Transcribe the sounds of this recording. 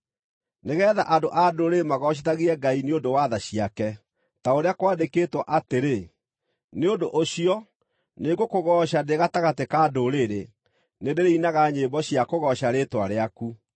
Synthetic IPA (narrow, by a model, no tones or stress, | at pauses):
neɣɛːða̰ʔadoʔadoɾemaɣɔɕ̬etaɣiɾɛɡaineodowaðaɕiakɛ | taoɾeakwaːdeketwɔʔateɾe | neondoʔoɕiɔ | neɡokoɣɔɕadeɣataɣatekaːdoɾeɾe | nedeɾeinaɣaɲembɔɕjakoɣɔɕaɾetwaɾeaku